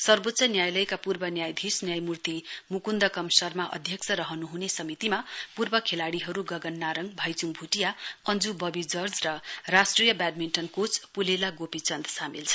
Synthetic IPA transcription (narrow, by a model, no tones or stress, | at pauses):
sʌrbot̪sʰʌnjajlʌjkapurbʌnjajd̪ʱisnjajmurt̪imukund̪ʌkʌmsʌrmaʔʌ̰d̪ʱjʌksʰʌɾʌɦʌnuɦunesʌmit̪imapurbʌkʰelaɽiɦʌɾuɡʌɡʌnːaɾʌŋbʱʌjt͡suŋbʱuʈijaʌnd͡zubʌbid͡zʌrd͡zrʌrasʈrijʌbaɖ̚minʈʌnkot͡spulelaɡopit͡sʌnd̪ʱsamilt͡sʰʌ̥